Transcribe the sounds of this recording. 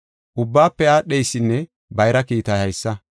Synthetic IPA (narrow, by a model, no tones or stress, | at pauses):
ʔʊbːaːpːɛaːɗɛjsːɪnːɛ | bɐjɾɐkiːt̪ɐhɐjsːɐ